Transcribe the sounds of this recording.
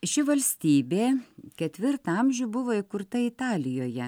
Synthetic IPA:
ʃʲɪʋɐlʲsʲt̪ʲiːbʲeːkʲɛt̪ʲʋʲɪɾt̪ɑmʲʒʲʊbʊʋoːɪkʊɾt̪ɐɪt̪ɑːlʲɪjoːjɛ

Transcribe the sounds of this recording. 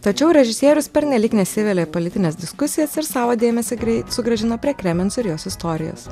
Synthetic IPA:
t̪ɐt͡ʃʲɛʊɾʲɛʒʲɪsʲiɛɾʲʊspʲɛɾʲnʲɛlʲiːknʲɛsʲɪʋʲelʲeːpolʲɪt̪ʲɪnʲeːsd̪ʲɪskʊsʲɪjɛsɪɾsɑːʋoːd̪ʲeːmʲɛsʲeɛsʊɡɾɐʒʲɪnoːpʲɾʲiɛkɾʲɛmʲɛnsɪɾjoːsɪst̪oːɾʲɪjo̰ːss

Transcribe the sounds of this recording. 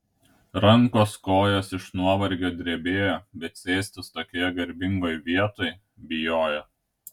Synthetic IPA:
ɾɐŋˑkoːskoːjoːsɪʃnuɔʋɐɾʲɡʲoːd̪ʲɾʲiɛbʲeːjoːbʲɛt̪sʲeːsʲt̪ʲɪst̪oːkʲiɛɡɐɾʲbʲɪŋɡoːjʋʲiɛt̪oj | bʲɪjoːjoː

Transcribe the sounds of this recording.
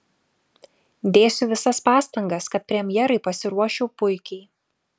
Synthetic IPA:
d̪ʲeːsʲʊʋʲɪsɐspɑːst̪ɐŋɡɐskɐt̪̚pʲɾʲɛmʲjɛɾɐɪpɐsʲɪɾuɔʃʲɛʊpʊɪkʲɛɪ

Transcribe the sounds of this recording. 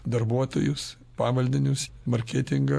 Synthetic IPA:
d̪ɐɾbuɔt̪o̰ːjʊs | pɑːʋɐlʲd̪ʲɪnʲʊsmɐɾʲkʲæːt̪ʲɪŋɡɐ

